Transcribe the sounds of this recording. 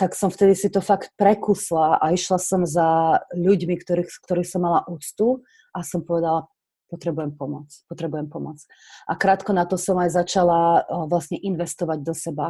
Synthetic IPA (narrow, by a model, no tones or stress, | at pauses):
t̪aksɔmft̪ɛd̪isit̪ɔfakt̪̚pɾɛkuslaaiʃlasɔmzaʎuɟmikt̪ɔɾixk̚t̪ɔɾixsɔmːalaʔuːt͡st̪u | ʔasɔmpɔʋɛd̪ala | pɔt̪ɾɛbujɛmpɔmɔt͡spɔt̪ɾɛbujɛmpɔmɔt͡s | ʔakɾaːt̪kɔnat̪ɔsɔmajzat͡ʃalaʋlasɲɛʔinʋɛst̪ɔʋaɟd̪ɔsɛba